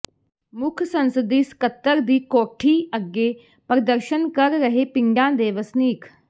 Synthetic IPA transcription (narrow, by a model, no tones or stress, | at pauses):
mʊkʰsənsəd̪iːskət̪ːəɾd̪iːkoːʈʰiːəɡːeː | pɾəd̪əɾʃənkəɾːəɦeːpɪŋɡãːd̪eːʋəsniːk